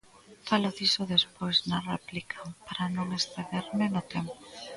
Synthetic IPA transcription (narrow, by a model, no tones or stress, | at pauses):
faloðisʊðespojznareplikʰapaɾanõŋesθeðeɾmɪnʊt̪ɛmpo